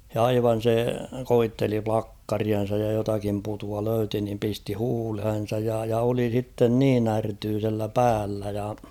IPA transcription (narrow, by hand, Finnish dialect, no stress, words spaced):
jɑ ɑiʋɑn̞ se koitːeli plɑkːɑriɑn̞sɑj jɑ jotɑkim putuɑ løyti nim pisti huːlhen̞sɑj jɑ jɑ oli sitːen niːn ærtyːselːæ pæːlːæ jɑ